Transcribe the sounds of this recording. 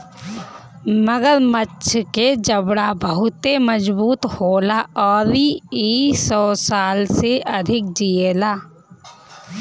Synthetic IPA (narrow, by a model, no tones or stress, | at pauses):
məɡəɾmətːʃʰked͡ʒəbɽabəɦʊt̪eməd͡ʒbuːt̪hoːlaɔːɾiiːsɔːsaːlseʔəd̪ʱɪk̚d͡ʒieːlaː